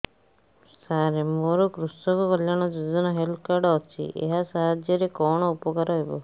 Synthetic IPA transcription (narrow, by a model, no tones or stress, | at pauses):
saɾemoɾɔkɾust̪ɔkukɔljaɽ̃ɔd͡ʒud͡ʒɔnɔɦelkaɾɖɔt͡ʃʰḭʔḛɦasaɦad͡ʒjɔɾekɔɽ̃ɔupɔkaɾɔɦebɔ